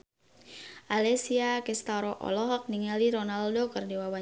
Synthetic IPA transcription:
ʔalɛsiakɛst̪aɾɔʔɔ̰lɔɦɔk̚niŋaliɾonaldokɨrdiwawa

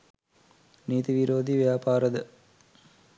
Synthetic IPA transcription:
niːt̪iʋiɾoːd̪iʋejaːpaːɾəd̪ə

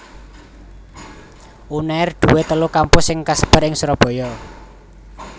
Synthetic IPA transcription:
ʔunaɪrd̪̥ṳwet̪əlukampʊsɪŋkasəb̥ə̤ɾɪŋsuɾɔb̥ɔ̤jɔ

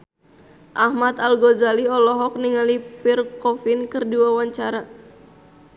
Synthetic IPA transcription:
ʔahmat̪alɡɔzaliɔlɔɦɔk̚niŋalipirkɔfinkɨrdiwawaɲt͡ʃaɾa

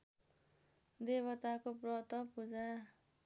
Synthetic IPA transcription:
d̪eβʌt̪akoprʌt̪ʌpud͡za

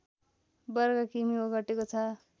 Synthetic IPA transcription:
bʌɾɡakimioɡʌʈekot͡sʰʌ

